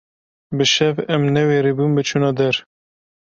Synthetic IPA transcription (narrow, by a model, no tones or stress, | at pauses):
bɨʃɛvɛmnɛweːɾebunbɨt͡ʃʰunɑːd̪ɛɾ